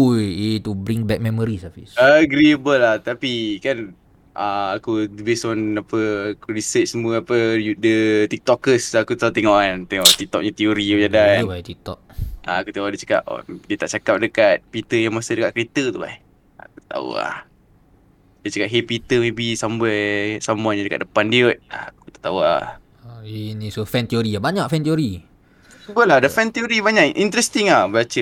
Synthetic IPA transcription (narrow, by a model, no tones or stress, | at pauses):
ujet̪ubɾiŋbɛk̚mɛmoɾisəfisaɡɾiəbəlaht̪apikan | ʔaakudəbesɔnapəakuɾisət͡ʃ̚səmuəapədət̪ik̚t̪ɔkːəsakut̪aut̪ɛŋɔʔant̪eŋɔʔt̪ik̚t̪ɔk̚ɲat̪ioɾid͡ʒadabat̪ik̚t̪ɔk̚ʔaakut̪eudit͡ʃḁka̰ʔdiət̪aʔt͡ʃakap̚dəkat̪̚pit̪əjaŋmasədəka̰ʔ̚kəɾit̪ət̪uba̰ | a̰ku̥t̪t̪a̰ṵa̰h | dit͡ʃakaʔ̚ɦepit̪əmebisambasamũaɲadəka̰t̪̚dəpandiot̪̚a̰ku̥it̪ḁʔt̪aua̰ | ainisufɛnt̪ioɾiabaɲaʔfɛnt̪ioɾi | səbəladəfɛnt̪ioɾibaɲaʔʔint̪ɾɛst̪iŋablat͡ʃə